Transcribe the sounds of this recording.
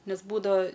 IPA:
ˈnʲɛs ˈbuːdɐʋɐ

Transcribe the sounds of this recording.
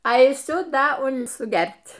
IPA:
ɐɪˈsʲʊ ˈdɐ ˈʊn sʊˈɡʲɛrʲtʲ

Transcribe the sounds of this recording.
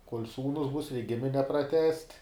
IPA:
koːlʲ ˈsuːnʊs bʊs rʲɛɪk ˈɡʲɪmʲɪnʲɛ prɐˈtʲæːsʲtʲ

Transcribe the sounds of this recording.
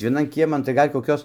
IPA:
ʋʲiɛˈnɐn ˈkʲiɛmɐn tɐɪ ˈɡɐlʲ koːˈkʲoːs

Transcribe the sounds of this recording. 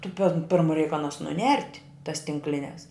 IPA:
tʊ pʲɛn ˈpʲɪrmʊ rʲɛɪk ɐˈnɐs nʊˈnʲɛrʲtʲ tɐs tʲɪŋkˈlʲɪnʲɛs

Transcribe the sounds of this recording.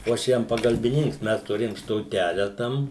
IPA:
oː ˈɐʃ ˈjɛm pɐɡɐlʲbʲɪˈnʲɪŋks ˈmʲɛs tʊˈrʲeːjoːm stoːˈtʲæːlʲɛ ˈtɐm

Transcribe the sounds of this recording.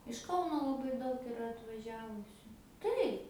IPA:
ɪʃ ˈkɐʊnoː lˠɐˈbɐɪ ˈdɐʊk ɪˈrɐ ɐtʋɐˈʒʲæːʋʊsʲʊ ˈtɐɪp

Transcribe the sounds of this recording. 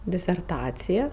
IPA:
dʲɪsʲɛrˈtɑːt͡sʲɪjɛ

